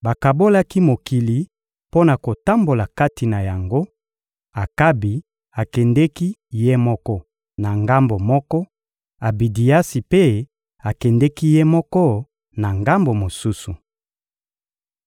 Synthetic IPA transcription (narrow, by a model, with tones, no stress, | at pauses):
ba˨ka˨bo˦la˦ki˦mo˨ki˨li˨ | po˦na˨ko˨ta˦mbo˨la˨ka˦ti˨na˨ja˨ŋɡo˦ | a˨ka˦bi˨ | a˨kɛ˨ndɛ˦ki˦je˦mɔ˦kɔ˦ | na˨ŋɡa˦mbo˨mɔ˦kɔ˦ | a˨bi˨di˨ja˦si˨pe˦ | a˨kɛ˨ndɛ˦ki˦je˦mɔ˦kɔ˦ | na˨ŋɡa˦mbo˨mo˨su˦su˨